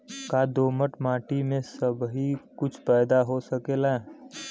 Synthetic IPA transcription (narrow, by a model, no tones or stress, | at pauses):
kaːd̪oːməʈmãːʈimẽsəbɦikʊt͡ʃʰpɛːd̪aɦosəkeːlɛ